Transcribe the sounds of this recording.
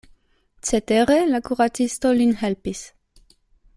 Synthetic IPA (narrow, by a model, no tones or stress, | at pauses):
t͡set̪eʁelakuʁat͡sist̪olinhɛlpis